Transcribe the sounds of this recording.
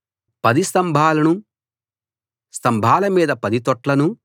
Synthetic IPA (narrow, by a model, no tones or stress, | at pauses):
pɐd̪ist̪ɐmbʱaːlɐnu | st̪ɐmbʱaːlɐmiːd̪ɐpɐd̪it̪ɔʈlɐnu